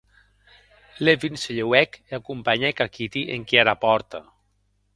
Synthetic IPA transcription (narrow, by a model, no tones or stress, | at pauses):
levinseʎewɛkakumpaɲɛkakit̪iʔeŋkiaɾapɔɾt̪a